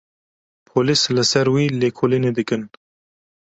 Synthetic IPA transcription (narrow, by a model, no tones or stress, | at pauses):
pʰoːlislɨsɐɾwiːleːkʰoːlined̪ɨkɨn